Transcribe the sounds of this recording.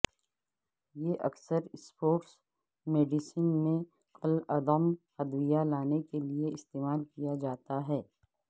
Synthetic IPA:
jeʔɐ̰ksəɾspoːʈs | meːɖɪsənmẽ | qəlɐd̪əmhɐd̪wijalaːnekelieɪst̪eːmaːlkijad͡ʒaːt̪aɦɛː

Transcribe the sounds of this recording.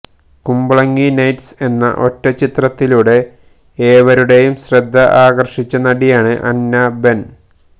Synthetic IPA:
kumbɐɭɐŋːinɐjʈse̞nːɐ̰ʔo̞tːɐt͡ɕit̪rɐt̪ːiluːɽe̞ | eːʋɐɾuɽe̞jumɕrɐd̪ʱːɐʔaːɡɐrʂit͡ɕːɐnɐɽijaːɳɨʔɐ̰nːɐbe̞n

